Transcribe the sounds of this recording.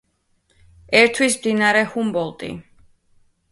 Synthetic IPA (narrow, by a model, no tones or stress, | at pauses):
ɛɾt̪ʰwismd̪inaɾɛhumbɔlˠt̪ʼḭ